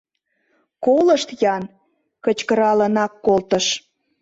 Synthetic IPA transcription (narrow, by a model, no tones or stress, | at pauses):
koləʃt̪jɑn | kət͡ɕkəɾɑlənɑkːolt̪əʃ